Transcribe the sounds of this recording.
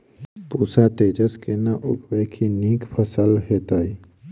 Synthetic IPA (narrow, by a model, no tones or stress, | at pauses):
puːsat̪eːd͡ʒəskenaʔʊɡbekʰiniːkpʰəsəlɦeːt̪aːiː